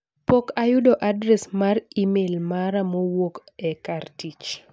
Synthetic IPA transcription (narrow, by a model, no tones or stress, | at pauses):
pokajʊdɔʔadɾɛsmarimelmaɾamowokɛkartit͡ʃ